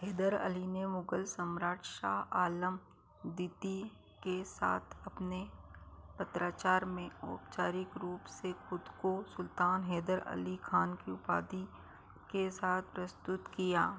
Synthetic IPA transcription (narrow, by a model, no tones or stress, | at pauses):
ɦeːd̪əɾə̰linemʊɡəlsəmɾaːʈʃaːɦaːləm | d̪iːt̪i | kesa̰ːt̪ʰɐpne | pɐt̪ɾaːt͡ʃaːɾmẽo̰ːpt͡ʃaːɾɪkɾuːpsexʊd̪kosʊlt̪aːnɦeːd̪əɾɐ̰likʰaːnkiʊpa̰ːd̪i | kesaːt̪̚ʰpɾəst̪ʊt̪kijaː